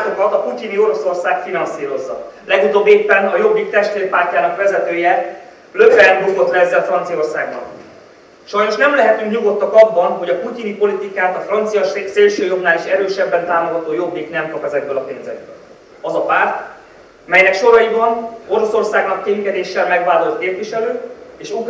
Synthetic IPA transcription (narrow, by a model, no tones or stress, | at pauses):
t̪okɒt̪ɒpucinio̞ɾo̞so̞rsaːkfinɒnsiːɾo̞zːɒ̰lɛɡut̪oːbːeːpːɛnɒjo̞bːik̚t̪ɛʃt̪leːrpaːrcaːnɒkʋɛzɛt̪øːjɛ | løvɛːnbuɡo̞t̪lɛɛzːɛlfrɒnt̪sio̞rsa̰ːɡbɒ̰n | ʃɒjno̞ʃnɛmlɛɦɛt̪yŋkɲuɡo̞t̪ːɒkɒbːɒnɦo̞ɟɒpucinipo̞lit̪ikaːt̪ɒfrɒnt̪sijɒseːlʃøːjo̞bnaːliʃɛɾøːʃɛbːɛnt̪aːmo̞ɡɒt̪oːjo̞bːiknɛmkɒpɛzɛɡ̚bølɒpeːnzɛ̰ɡ̚bø̰l | ɒzɒpaːrt̪ | mɛjnɛkʃo̞ɾɒibɒno̞ɾo̞so̞rsaːɡnɒkt̪eːŋkɛd̪eːʃːɛlmɛɡvaːlo̞lt̪keːpviʃɛløːeːʃuk